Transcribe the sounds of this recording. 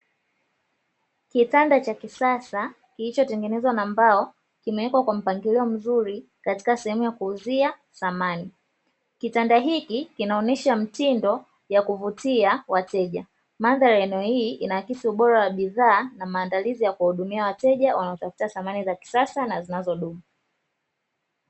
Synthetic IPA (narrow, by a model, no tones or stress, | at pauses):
kitandat͡ʃakisasa | kilit͡ʃɔtɛŋɡɛnɛzwanambaɔ | kimɛɛkwakwam̩paŋɡiliɔm̩zuɾi | kati̥kasɛhɛmujakuuzia | θamani | kitandaɦikikinaɔnɛʃam̩tindɔ | jakuvutiawatɛʄa | manðaɾaɛnɛɔhiːʔinaakisiuɓɔɾawaɓiðaːnamaːndalizijakuahuɗumiawatɛʄawanaɔtafu̥taθamanizaki̥sasanazinazɔɗumu